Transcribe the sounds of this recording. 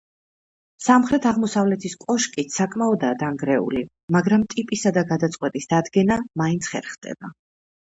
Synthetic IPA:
samχɾɛt̪ʰaʁmɔsavlɛt̪ʰiskʼɔʃkʼit̪ʰsakʼmaɔd̪aːd̪aŋɡɾɛṵli | maɡɾamt̪ʼipʼisad̪aɡad̪at̪sʼqʼwɛt̪ʼisd̪̥ad̪ɡɛnamaint̪sʰχɛ̰ɾχd̪̥ɛ̰ba

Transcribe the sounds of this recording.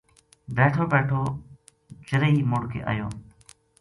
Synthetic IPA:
beːʈʰoːbeːʈʰoː | t͡ʃəɾəiːmʊɽkʰḛːʔa̰ːjoː

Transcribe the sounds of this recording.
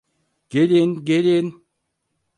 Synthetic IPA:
ɡ̥elʲenɡelen

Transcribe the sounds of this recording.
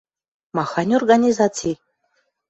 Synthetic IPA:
mɑxɑnʲorɡanʲizat͡sij

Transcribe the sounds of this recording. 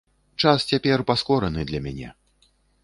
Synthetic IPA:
t͡ʂast͡sʲapʲɛrpaskɔɾɐnɨd̪lʲɐmʲanʲɛ̰

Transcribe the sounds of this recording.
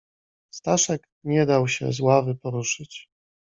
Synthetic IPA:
st̪aʂɛk | ɲɛd̪awɕɛ̰zwavɘpɔɾuʂɘt͡ɕ

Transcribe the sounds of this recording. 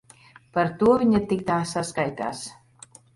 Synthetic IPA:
paɾt̪uɔvʲiɲat̪ik̚t̪aːsaskajt̪a̰ːs

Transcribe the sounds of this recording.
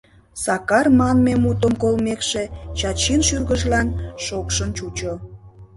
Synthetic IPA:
sɑkɑrmɑnmemut̪əmkolmekʃet͡ɕɑt͡ɕinʃyrɣəʒlɑnʃokʃənt͡ɕut͡ɕo

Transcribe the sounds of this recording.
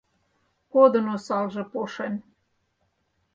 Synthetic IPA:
kod̪ənosɑlʒĕpoʃen

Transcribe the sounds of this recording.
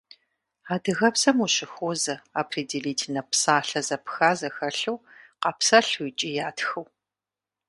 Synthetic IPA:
aːdɨɣɐpsɐmuɕɪxoːzɐapʰridiliːtʰnɐpsaːɬɐzɐpxaːzɐxɐɬuwqɐpsɐɬuit͡ʃʼijaːtxɐw

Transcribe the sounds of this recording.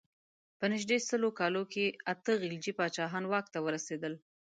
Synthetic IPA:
pənɪʒd̪esəlokɑlokeat̪əɣild͡ʒipɑt͡ʃɑɦɑnwɑk̚t̪awəɾased̪əl

